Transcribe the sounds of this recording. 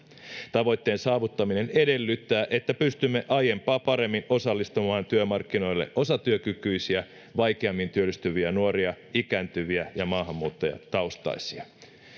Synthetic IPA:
t̪ɑʋo̞jt̪ːe̞ːnsɑːʋut̪ːɑmine̞ne̞de̞lːyt̪ːæːʔe̞t̪ːæpyst̪ymːe̞ʔɑje̞mpɑːpɑɾe̞mːino̞sɑlːist̪umɑːnt̪yømɑrkːino̞jlːḛʔʔo̞sɑt̪yøkykyisiæ | ʋɑjkeɑmːint̪yølːyst̪yʋiænuoɾiɑ | ikæːnt̪yʋiæjɑmɑːɦɑmːuːt̪ːojɑ̰t̪ɑost̪ɑ̰jsiɑ

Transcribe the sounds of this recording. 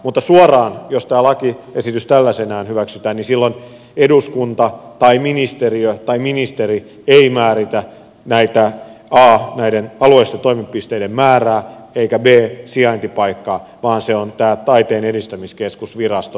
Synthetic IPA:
mut̪ːɑsuorɑːnjost̪æːlɑkiesit̪yst̪ælːæsenæːnhyʋæksyt̪æːnisilːon | eduskunt̪ɑt̪ɑiminist̪eriøt̪ɑiminist̪eri | eimæːɾit̪æ | næit̪æɑːnæidenɑlueist̪et̪oimipːist̪eidemmæːræː | eikæbeːsiɑint̪ipɑikːɑːʋɑːnseont̪æːt̪ɑit̪eːnedist̪æmiskeskusʋirɑst̪o

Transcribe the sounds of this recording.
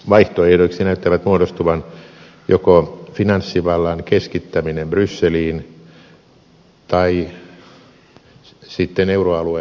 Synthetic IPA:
ʋɑiht̪oehdoiksinæyt̪ːæʋæt̪muodost̪uʋɑn | jokofinɑnsːiʋɑlːɑnkeskit̪ːæminembrysːeliːn | t̪ɑi | sit̪ːeneuroɑlue

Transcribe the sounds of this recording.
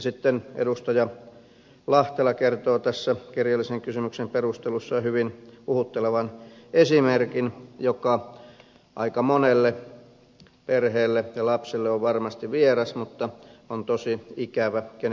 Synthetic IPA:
sit̪ːenḛdust̪ɑjɑ | lɑht̪elɑkert̪oːt̪æsːækirjɑlːˑiseŋkysymyksemperust̪elusːɑhyʋinuhut̪ːeleʋɑnesimerkinjokɑ | ʔɑ̰ikɑmonelːe | perheːlːejɑlɑpselːeoʋʋɑrmɑst̪iʋʋierɑsmut̪ːɑont̪osiikæʋæken

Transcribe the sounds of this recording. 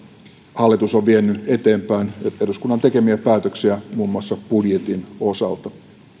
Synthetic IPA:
hɑlːit̪usoʋʋienːye̞t̪e̞ːmpæineɾuskunːɑnt̪e̞ke̞miæpæːt̪øksiæmuːmːuɑsːɑb̥udjet̪ino̞sɑlt̪ɑ

